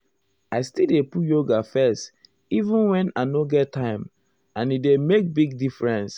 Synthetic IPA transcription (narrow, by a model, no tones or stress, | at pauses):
aɪstidepujoɡafɛst | ivũnwɛ̃naɪnoɡɛtʰːãɪ̃m | ãnidemek̚biɡ̚difɹɛ̃ns